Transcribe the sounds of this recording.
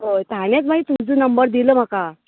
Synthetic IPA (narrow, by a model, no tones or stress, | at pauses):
ɦojt̪añjet͡sm̤aɡit̪ud͡zənəmbəɾd̪iləːm̤aka